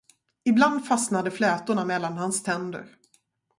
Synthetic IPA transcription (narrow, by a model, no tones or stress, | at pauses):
ɪbland̪fasnad̪əflɛːt̪ʊɳamɛlːanhanst̪ʰɛnd̪ə̰ɾ